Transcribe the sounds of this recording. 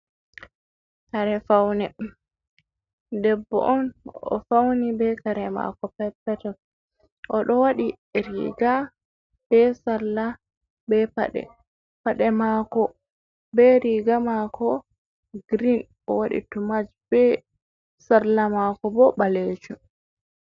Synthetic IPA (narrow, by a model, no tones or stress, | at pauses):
kaɾɛfawnɛ | dɛbːɔ̰ʔɔnɔ̰fawnibɛkaɾɛma̰kɔpɛpːɛtɛ | ʔɔɗɔwaɗi | ɾḭːɡa | b̥ɛsaɾla | bɛpa̰ɗɛ̰ | paɗɛmakɔ | bɛɾiɡamakʰɔ | ɡɾin | ɔwaɗḭtumad͡ʒbɛ | saɾlamakɔbɔbaled͡ʒu